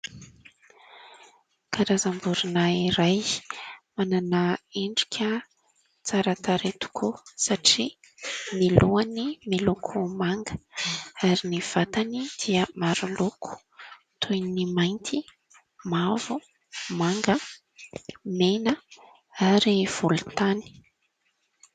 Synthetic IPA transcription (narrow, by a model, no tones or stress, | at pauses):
kʰaɾazambuɾunaiɾaj | mananaeɳɖ͡ʐi̥kʲʰə | t͡saɾat̪aɾet̪u̥kʰusaʈ͡ʂi | miluanimilukʰumaŋɡəaɾiniv̥at̪anid̪̥iəmaɾulukʰu̥ | t̪ʰujnimajnt̪ʰi | mavu | maŋɡə | menə | aɾiv̥ulut̪ani̥